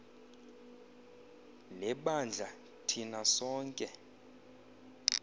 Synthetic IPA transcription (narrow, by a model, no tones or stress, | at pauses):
lɛɓand͡ɮʱa | tʰinasɔːŋkʼɛ